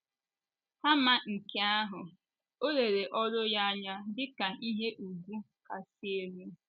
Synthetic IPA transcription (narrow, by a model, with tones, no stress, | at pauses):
ha˦ma˨ŋ̩˨ke˦a˦ɦʊ˨ | o˦ɾe˨ɾe˨ʔɔ˦ɾʊ˦ja˦a˦ɲa˦dɪ˦ka˨i˦ɦe˦ʔu˨ɡʷu˦ | ka˨si˦e˨ɾe˦